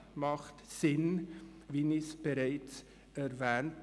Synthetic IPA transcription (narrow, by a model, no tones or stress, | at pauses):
mɑχtsɪnviːnisb̥eɾaɪt͡s | ɛɾvɛːnt